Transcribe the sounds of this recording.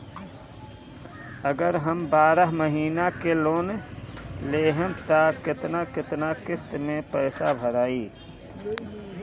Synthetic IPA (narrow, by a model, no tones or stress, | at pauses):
əɡəɾɦəmbaːɾəɦməɦiːnakeloːn | leːɦənt̪akɪt̪nakɪt̪nakɪst̪mẽpəːsabʱəɾaːiː